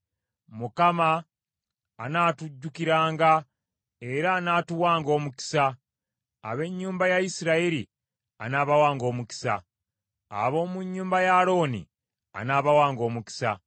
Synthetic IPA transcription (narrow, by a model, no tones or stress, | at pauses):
mukamaː | naːtuɟːukiɾaːŋɡa | e̞ɾaːnaːtuwaːŋɡo̞ːmuki̥sa | a̰βe̞ɲːuːmbajajisiɾaiɾi | a̰naːβawaːŋɡo̞ːmuki̥sa̰ | a̰βo̞ːmuɲːuːmbajaɾo̞ːnḭ | a̰naːβawaːŋɡo̞ːmuki̥sa̰